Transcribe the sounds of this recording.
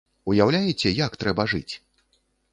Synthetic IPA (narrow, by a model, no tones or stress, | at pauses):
ujawlʲajɛt͡sʲɛjakt̪ɾɛbɐʐɨ̰t͡sʲ